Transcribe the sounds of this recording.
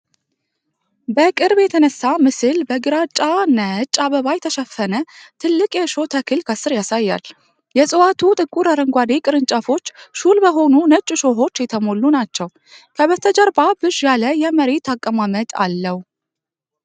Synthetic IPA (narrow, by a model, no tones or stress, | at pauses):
bəkʼɨɾbjɛt̪ʰənəsːamɨsɨlbəɡɨɾat͡ʃʼanət͡ʃʼːaβəβajɛt̪ʰəʃəfːənət̪ʰɨlːɨkʼjɛʃo̞t̪ʰəkʰɨlkʰəsɨɾjasajːa̰l | jɛsʼɨwat̪ʰut̪ʼɨkʼːuɾaɾəŋɡʷad̪ekʼɨɾɨnt͡ʃʼəfo̞t͡ʃːʃulbəɦo̞nunət͡ʃʼuʃo̞ɦo̞t͡ʃːjɛt̪ʰəmo̞lːunat͡ʃːɛw | kʰəβət̪ʰəd͡ʒəɾbabɨʃjaləjɛməɾet̪ʰakʼːəmamət̪ʼa̰lːəhu